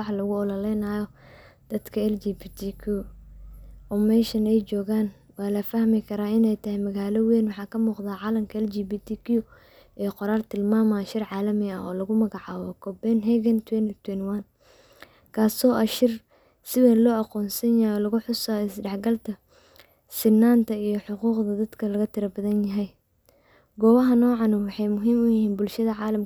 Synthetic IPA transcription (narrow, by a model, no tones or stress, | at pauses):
wɑħɑlɐɣʊɔlɐlɛjnaːjɔd̪̥ɐd̪kʰɐɛld͡ʒibit̪ʰikʰi | ɔːmɛːʃɐnɛjt͡ʃɔːɣaːn | wɑːlɐfɐhmɪkʰɐɾaːɪnɛjt̪ʰɐhɛjmɐɣaːlɔwɛːnwɑħɑːkʰɐmuːqd̪aːʕɑːlɐmkʰɐɛld͡ʒiːbit̪ʰikʰiʊ | ʔɛːqɔɾaːlt̪ʰɪlmaːmaːʃɪrʕɑːlɐmɪɐɔːlɐɣʊmɐɣɑʕɑːwɔkʰɔbɛnɦɛɣɐnt̪ʰwɛnt̪ʰwɛnwan | kʰaːsɔːʔɐʃɪr | sɪβɛːlɔːɐqɔːnsɐnjajɔːlɐɣʊħʊsɔɪsɖɛħɡɐlt̪ʰɐ | sɪnːaːnt̪ʰɐijɞħʊquːqd̪ɐd̪ɐd̪kʰɐlɐɣɐt̪ʰɪɾɐbɐðɐnjɐɦɛj | ɡɔːwɐɦɐnɔːʕɑnʊwɑħɑjmʊɦiːmʊjɪɦiːnbʊlʃɐðɐʕɑːlɐm